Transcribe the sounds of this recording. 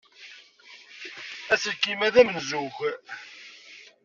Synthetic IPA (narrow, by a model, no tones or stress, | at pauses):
æsəlkːimæðæmənəzuç